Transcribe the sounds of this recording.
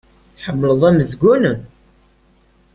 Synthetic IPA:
ħəmːləðˤæməzɡunən

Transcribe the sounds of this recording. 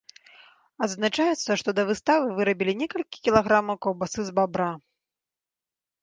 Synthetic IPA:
ɐd̪znat͡ʂajɛt̪sːɐʂt̪ɔd̪ɐvɨst̪avɨvɨɾɐbʲilʲinʲɛkɐlʲkʲi̥kʲilˠaɣɾamɐwkɔwbasɨzbabɾa

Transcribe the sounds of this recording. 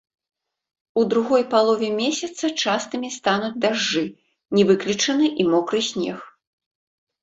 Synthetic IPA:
ud̪ɾuɣɔjpalˠɔvʲɛmʲesʲɐt̪sɐt͡ʂast̪ɨmʲist̪anud͡zʲd̪aʐːɨ | nʲɛvɨklʲit͡ʂɐnɨʔimɔkɾɨsʲnʲɛ̰x

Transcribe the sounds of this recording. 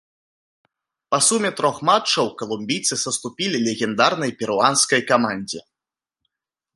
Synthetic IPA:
pɐsumʲɛt̪ɾɔxmat͡ʂːɐwkɐlˠumʲbʲijt̪sɨsɐst̪upʲilʲilʲɛɣʲɛnd̪arnɐjpʲɛɾuanskɐjkamanʲd͡zʲɛ

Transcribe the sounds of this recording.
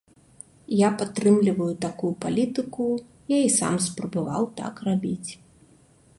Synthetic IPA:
japat̪ːɾɨmlʲivɐjut̪akujupalʲit̪ɨku | jaisa̰mspɾɐbava̰wt̪a̰krabʲit͡sʲ

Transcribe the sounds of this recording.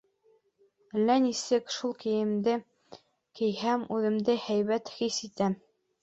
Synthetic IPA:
lːænisɘkʃulˠkɘ̆jɘ̆md̪ɘ | kɘ̆jhæmʉðɘ̆md̪ɘhæjβæt̪χisit̪æm

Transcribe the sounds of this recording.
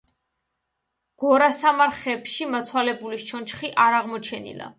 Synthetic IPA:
ɡ̥ɔɾasamaɾχɛpʃimat̪sʰwalɛbuliʃt͡ʃʰɔnt͡ʃχiʔaɾaʁmɔt͡ʃʰɛnḭla̰

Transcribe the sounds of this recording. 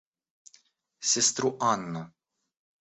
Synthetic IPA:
sɪst̪ɾuʔɐnːɐ

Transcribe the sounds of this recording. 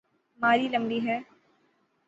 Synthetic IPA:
maːɾiləmɖiɦɛː

